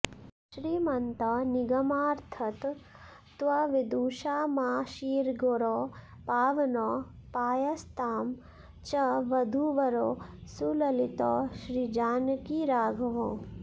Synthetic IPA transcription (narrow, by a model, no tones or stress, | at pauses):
ʃɾiːmɐnt̪aniɡɐmaːɾt̪ʰɐt̪ | t̪ʋaʋid̪uːʃaːmaːʃiːɾɡoɾoː | paːʋɐnoːpaːjɐst̪aːm | t͡ʃɐʋɐd̪ʱuʋɐɾoːsulɐlit̪oːʃɾiːd͡ʒaːnkiːɾaːɡʱɐʋõː